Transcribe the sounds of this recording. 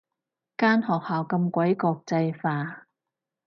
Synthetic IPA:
kaː˥nhɔː˨˩k̚haː˨˩wkɐ˧mkʷɐ˨˥jkɔː˧k̚t͡sɐ˧jfaː˧

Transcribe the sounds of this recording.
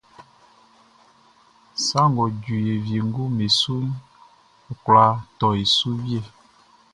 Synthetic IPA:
sa˦ŋɡɔ˨d͡ʒu˨je˨vje˨ŋ˦ɡu˦me˨su˦n˨ | kwla˨˦tɔ˨e˨su˦wje˦˨

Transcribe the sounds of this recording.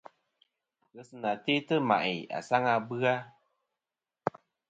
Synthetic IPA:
ɣɨ˦sɨ˦na˨te˦tɨ˦ma̰˨ʔɪ̰˨a̰˨sa˦ŋa˧bɨ˦a˦

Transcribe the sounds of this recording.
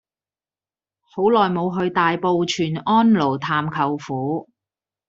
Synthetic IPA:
ho˨˥wlɔː˨˩jmo˨˧wɦɵ˧ɥt̪aː˨jpo˨˧wt͡ʃʰyː˨˩nɔː˥nlo˨˩wt̪ʰaː˨mkʰɐ˨wfuː˨˥

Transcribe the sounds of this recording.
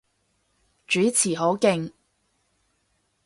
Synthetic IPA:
t͡ʃyː˨˥t͡sʰiː˨˩ɦo˨˥wkɪ˧ŋ

